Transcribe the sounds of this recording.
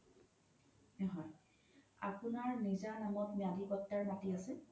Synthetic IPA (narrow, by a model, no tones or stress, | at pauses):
ɛɦɔj | a̰pʊnaɹnizanamɔtmijadikɔtːaɹmatiasɛ